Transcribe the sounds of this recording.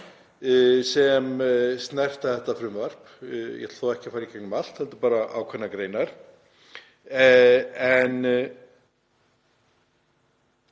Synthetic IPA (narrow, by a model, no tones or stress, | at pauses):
sɛmst̪nɛr̥t̪aθɛht̪afɾʏmvar̥p | jɛ̰t̪θɔːɛhcɪ̥faːjɾikʰɛknmal̥t̪hɛlt̪ʏ̥paːɾaʔawkʰvɛnːakɾeːjnaɾ̥ | ɛɛn